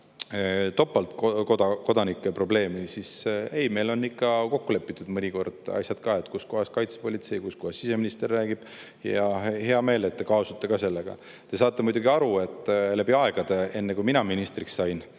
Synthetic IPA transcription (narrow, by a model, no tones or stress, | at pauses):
t̪o̞pːˑɑlt̪kokod̪ɑko̞d̪ɑnikːepro̞ble̞ːmisise̞jme̞jlo̞nːikːɑko̞kːule̞pːˑit̪ːˑud̪̥mɤnʲiko̞rd̪̥ɑ̰jsʲjɑd̪̥kɑːe̞t̪ːˑkusko̞ɦhɑskɑjt̪se̥po̞lʲit̪se̞jkuskohɑsːise̞minist̪e̞rːæːɡ̥ib̥ | jɑhe̞ɑme̞ːle̞t̪ːekɑosut̪ːˑekɑse̞lːeɡ̥ɑ̰ | t̪e̞sɑːt̪ːˑe̞mujd̪uɡiɑɾue̞t̪ːˑlæbiɑe̞ɡ̥ɑd̪̥ee̞nːekuminɑminist̪rikssɑjn